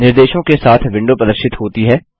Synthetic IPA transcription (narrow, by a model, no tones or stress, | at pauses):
nɪɾd̪eːʃõkesaːt̪ʰʋɪ̃ɳɖopɾəd̪əɾʃɪt̪ɦoːt̪iɦɛː